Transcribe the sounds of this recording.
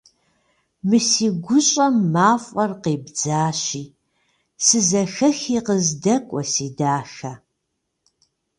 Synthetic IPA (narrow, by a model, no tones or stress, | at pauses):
mɨsiːɡʷʊɕʼɐmːaːfʷʼɐrqeːbd͡zaːɕiː | sɨzɐxɐxiːqəzdɐkʷʼɔsiːdaːxɐ